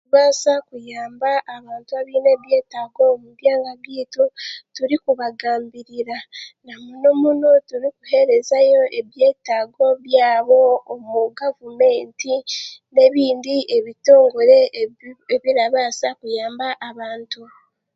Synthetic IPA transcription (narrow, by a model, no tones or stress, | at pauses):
uβaːsakujaːmbaʔːβaːntuaβiːne̞ːβje̞ːtaɡomuβjaːŋɡaɡiːtutuɾikuβaɡaːmbiɾiɾanamunomunotuɾikuhe̞ɾe̞zajo̞ʔe̞βje̞ːtaːɡo̞βjaːβo̞ːmuɡavume̞ːntine̞βiːndiʔeβito̞ːŋɡo̞ɾe̞eβiɾaβaːsakujaːmbaʔːβaːntu